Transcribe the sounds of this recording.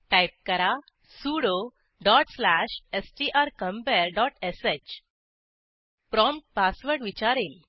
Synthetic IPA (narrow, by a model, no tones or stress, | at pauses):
ʈajp̚kəɾa | suɽo | ɖɔʈslæɕesʈiʔaɾkəmpɛɾɖɔʈeset͡ɕ | pɾɔmʈ̚pasʋəɾɽʋit͡ɕaɾel